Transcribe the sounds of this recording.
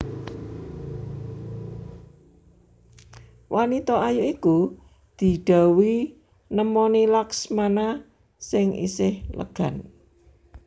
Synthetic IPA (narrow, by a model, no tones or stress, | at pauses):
wʔanit̪ɔajuʔiku | d̪̥i̤ɖ̪̥a̤wi | nəmɔnilaksmana | sɪŋḭsɪhlə̰ɡ̥a̤n